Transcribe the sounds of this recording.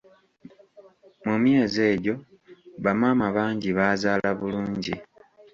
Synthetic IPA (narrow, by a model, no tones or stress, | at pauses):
mumje̞ːze̞ːɟo̞ | βamaːmaβaːɲɟiβaːzaːlaβuluːɲɟḭ